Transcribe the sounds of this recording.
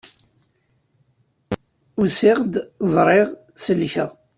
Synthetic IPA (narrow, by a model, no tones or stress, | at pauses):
usɪʁd̪zˤɾˤɪʁ | səlçəʁ